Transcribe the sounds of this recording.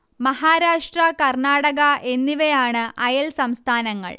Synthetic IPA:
mɐɦaːɾaːʂʈrɐkɐrɳaːɽɐɣɐʔe̞nːiʋejaːɳɨʔɐjɐlsɐmst̪ʰaːnɐŋːɐ̰ɭ

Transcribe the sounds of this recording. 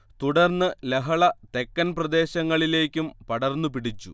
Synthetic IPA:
t̪uɽɐrnːɨleɦɐɭɐt̪e̞kːɐnprɐd̪e̞ːɕɐŋːɐɭile̞ːkʲːumpɐɽɐrnːupiɽit͡ɕːu

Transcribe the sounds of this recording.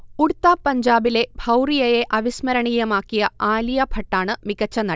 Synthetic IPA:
uɽt̪ːaːpːɐɲd͡ʑaːbile̞bʱɐwrijɐjeʔɐʋismɐɾɐɳijɐmaːkːijɐaːlijɐbʱɐʈːaːɳɨmikɐt͡ɕːɐnɐ

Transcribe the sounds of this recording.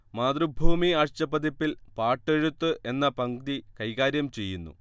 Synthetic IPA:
maːd̪rubʱuːmiaːʂt͡ɕɐpɐd̪ipːilpaːʈːeɻut̪ːɨʔe̞nːɐpɐŋɡd̪ikɐjɣaːɾjɐmt͡ɕe̞jːunːṵ

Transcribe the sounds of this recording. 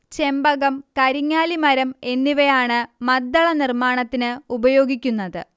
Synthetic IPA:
t͡ɕe̞mbɐɣɐmkɐɾiŋːaːlimɐɾɐme̞nːiʋɐjaːɳɨmɐd̪ːɐɭɐnirmaːɳɐt̪ːinɨubɐjo̞ːɡikʲːunːɐðɨ̰

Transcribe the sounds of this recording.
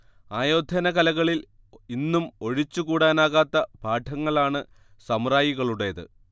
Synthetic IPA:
aːjoːd̪ʱɐnɐɣɐlɐɣɐɭil | inːumo̞ɻit͡ɕːukuːɽaːnaːɣaːt̪ːɐbʱaːʈʰɐŋːɐɭaːɳɨ | sɐmraːjiɣɐɭuɽe̞ɐðɨ̰

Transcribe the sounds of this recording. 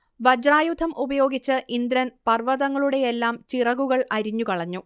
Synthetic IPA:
ʋɐd͡ʑraːjud̪ʱɐmʔubɐjo̞ːɡit͡ɕːɨʔind̪ɾɐnpɐrʋɐðɐŋːɐɭuɽe̞jelːaːmt͡ɕirɐɣuɣɐɭɐɾiɲːukɐɭɐɲːu

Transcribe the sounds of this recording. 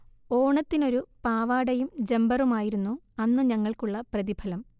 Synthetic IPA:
o̞ːɳɐt̪ːino̞ɾupaːʋaːɽɐjumd͡ʑe̞mbɐrumaːjiɾunːu | ɐnːɨɲɐŋːɐɭkuɭːɐprɐðibʰʱɐlɐm

